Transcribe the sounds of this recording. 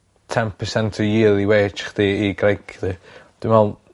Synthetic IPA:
tʰɛnpʰəsɛntʰəjɪlˠiwe̥ːt͡ʃḁχd̥iːiɡɾejkʰðid̥ɪnvɛlˠ

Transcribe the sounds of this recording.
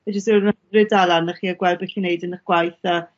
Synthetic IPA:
vɛd͡ʒɪs̬tɪɾn | rɪdalˠanəχiaɡwɛlˠbəɬinejdənəχɡ̥wajθə

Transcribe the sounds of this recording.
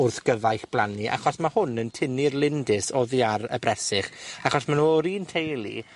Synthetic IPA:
ʊrθɡ̥əvajχb̥lˠaniʔa̰χɔsmahʊnəntʰɪnirlɪndɪsɔðiaɾə̰brʔɛsɪχaχɔsmanuɾiːntʰejlˠḭ

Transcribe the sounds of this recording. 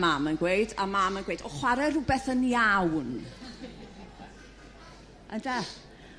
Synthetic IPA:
mamənɡwejda̰mamənɡwejdɔχwaɾɛrʊbɛθənjawn | ʔənda

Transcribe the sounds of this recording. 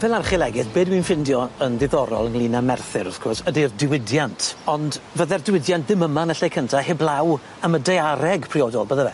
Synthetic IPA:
vɛlˠarχelˠɛɡɪθbeːdmiːnfɪndjɔənðɪðɔɾɔ̰lˠənlˠiːnamɛrθɪɾɔθkʰɔrsədirdɪwɪdjantʰɔndvəðɛrdɪwɪdjantðɪməmanəɬejkʰəntʰahɪblˠaw | əmədejaɾɛɡpʰrioːdɔlˠbəðavɛ

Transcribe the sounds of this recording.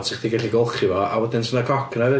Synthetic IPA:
sʰɪχd̪iɡaɬiɡɔlˠχɪvɔawɛdɪnsɔnakʰɔkʰnave

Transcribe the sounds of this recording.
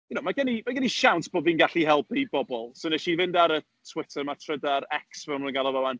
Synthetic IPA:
ɛnɔmaɡɛnimaɡɛniʃawntʰb̥oːdviːnɡaɬihɛlˠpʰibɔbɔlˠsənɛʃivɪndaɾə | tʰwɪtʰərmatʰrədaɾɛksvɛwnə̃nŋɡalˠɔvəwan

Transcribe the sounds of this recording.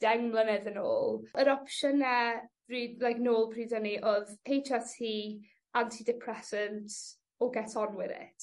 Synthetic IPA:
d̥ɛŋmlˠənɛðəno̰ːlˠəɾɔpʃənɛb̥riːdlajknoːlˠbriːdəniʔoːðpʰejtʰatʰiː | antʰidɪpʰrɛsəntʰ | ɔɡɛtʰɔnwɪɾɪ̰tʰ

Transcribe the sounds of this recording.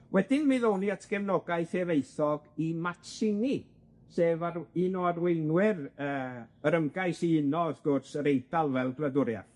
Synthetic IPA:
wɛdɪnmiðowniatʰɡ̥ɛvnɔɡaɨθevejθɔɡimatsɪni | seːvarinɔarwɪjnwɪrəːəɾəmɡajsiɪnɔəθɡ̥ʊrsəɾejdalˠvɛlˠdladʊɾja̰

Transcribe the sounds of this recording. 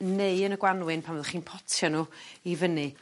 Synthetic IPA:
neɨənəɡwanwɪnpʰanmvɛðˠχiːnpʰɔtʰjɔnuivənɨ

